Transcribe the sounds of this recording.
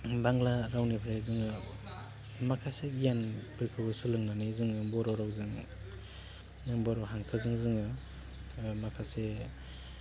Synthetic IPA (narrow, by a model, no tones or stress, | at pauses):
baŋlaɾawnipʰɾajzɯŋɯ | makʰaseɡjanpʰɯɾkʰɯbɯsɯlɯŋnanɯjzɯŋɯbɔɾɔɾawzɯŋ | nɯŋbɔɾɔɦaŋkʰɯzɯŋzɯŋɯ | makʰase